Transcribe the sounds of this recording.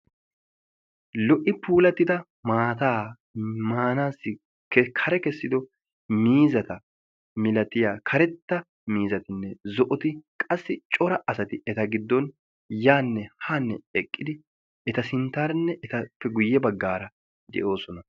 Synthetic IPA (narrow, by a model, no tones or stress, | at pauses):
lɔʔɪpuːlɐt̪ːɪd̪ɐ | maːt̪aː | maːnaːsːɪ | kkʰɐɾɛkɛsːɪd̪ɔ | miːzɐt̪ɐ | mɪlɐt̪ɪjaːkʰɐɾɛt̪ːɐ | miːzɐt̪ɪnːɛzɔʔɔt̪ɪkʼɐsːɪt͡ʃʼɔɾɐʔɐsɐt̪ɪɛt̪ɐɡɪd̪ːɔn | jaːnːɛhanːɛɛkʼːɪd̪ɪ | ɛt̪ɐsɪnt̪aːɾnːɛʔɛt̪ɐpːɛɡʊjːɛbɐɡːaːɾɐ | d̪ɛ̰ʔo̞ːsɔnɐ